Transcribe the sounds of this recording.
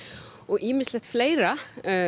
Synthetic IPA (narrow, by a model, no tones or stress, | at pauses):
ɔɣʔiːmɪslɛht̪fleːjɾa